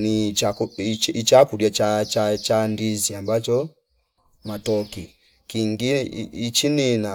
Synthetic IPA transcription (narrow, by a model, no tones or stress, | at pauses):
niauit͡ʃakuɾjat͡ʃat͡ʃat͡ʃandiziambat͡ʃɔ | matɔkḭ | kiŋɡiit͡ʃinina